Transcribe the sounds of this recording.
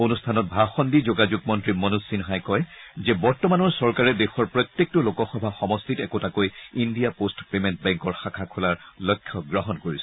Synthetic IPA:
onustʰanɔt̚bʱaxɔndizoɡad͡ʒuɡ̚mɔntɹimɔnusinɦajkɔjzɛbɔɹtɔmanɔɹsɔɹkaɹɛdexɔɹpɹɔt̪jek̚tɔlokɔxɔbʱaxɔmɔstʰitɛkotakojindijapostpementbɛŋkɔɹxakʰakʰʊlaɹlɔjkʰːjɔɡɹɔɦɔnkoɹisɔ̥

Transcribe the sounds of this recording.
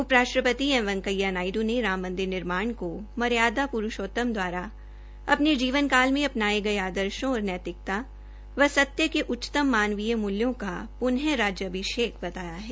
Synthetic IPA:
ʊpɾaːʃɾəpət̪iɛ̃ʋɐ̃ŋkəjːanaːɪɖũneɾaːmːə̃nd̪ɪɾnɪɾmaːɳkomɐɾjaːd̪apʊɾʊʃoːt̪əmd̪waːɾa | ɐpned͡ʒiːʋənkaːlmẽɐpnaːeɡɐeaːd̪əɾʃõɔːɾnɛːt̪ɾɪk̚t̪a | ʋɐsɐt̪jəkeʔʊt͡ʃːt̪əmːaːnʋijəmʊljõkapʊnɦjəɾaːd͡ʒjəɐbʱɪʃeːkbɐt̪aːjaɦɛː

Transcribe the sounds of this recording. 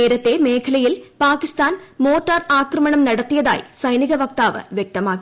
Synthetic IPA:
eːɾɐt̪ːe̞meːkʰɐlɐjilpaːkist̪aːnmoːʈːaraːkrɐmɐɳɐmnɐɽɐt̪ːijɐða̰ːjsɐjniɣɐʋɐk̚t̪aːʋɨ̰ʋjek̚t̪ɐmaː

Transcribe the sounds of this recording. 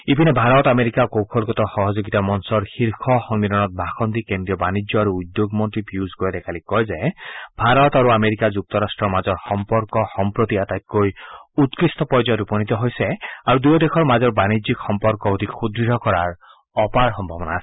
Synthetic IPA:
ibʱinebʱaɾɔt̪ameɾikakowkʰɔlkɔt̪ɔxɔɦɔd͡ʒoɡit̪amɔnsɔɾxiɾkʰɔxɔŋniɾɔnɔt̪̚bʱaxʰɔnd̪ikend̪ɾijɔbanid͡ʒjɔaɾuːd̪joɡmɔnʈ̪ɾipjuzɡɔjɔd̪ekʰalikɔjzajbʱaɾɔt̪aɾuameɾikad͡ʒuk̚t̪ɔɾasʈɾɔmad͡ʒɔɾxɔmpɔɾkɔxɔmpɾot̪iat̪ajt̪̚kojut̪kɾist̪ɔpɔjd͡ʒɔjɔɾupɔnit̪ɔɦojseaɾud̪ujɔd̪ekʰɔɾmad͡ʒɔɾbanid͡ʒikxɔmpɔɾkɔud̪ʱikʰud̪ɾiɾɔkɔɾaɾ | ɔpaɾxɔmbʱɔbɔnaːse̥

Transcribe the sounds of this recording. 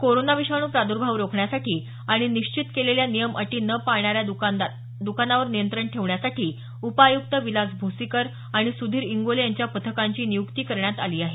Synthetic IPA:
koɾonaʋiɕaɳ̃uːpɾad̪uɾbʱaʋɾokʰɳjasaʈʰiː | aɽ̃iniɕt͡ɕit̪keleljanijəmʔə̰ʈiːnəpaɭɳaɾjau | d̪ukanaʋəɾnijənt̪ɾəɳʈʰeʋɳjasaʈʰiː | upajuk̚t̪əʋilad͡zbʱusikəɾ | aɽ̃isud̪ʱiːɾiŋɡolejaɲt͡ɕjapət̪ʰəkaɲt͡ɕiːnijukt̪iːkəɾɳjat̪aliːaɦe

